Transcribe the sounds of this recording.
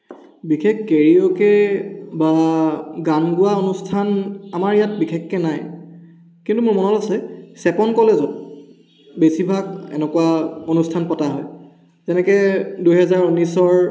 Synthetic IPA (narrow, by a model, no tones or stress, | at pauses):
bikʰekːeɹiɔkɛbaɡanɡuaonustʰanamaɹijat̚bixʰekːɛnaj | kintumʊɹmɔnɔlasɛsɛpɔnkɔlezɔt̚ | besibʱaɡ̚ɛ̰nɛkuwaonustʰanpɔtaɦɔj | zɛnɛkɛdujɦɛzaɹunisɔɹ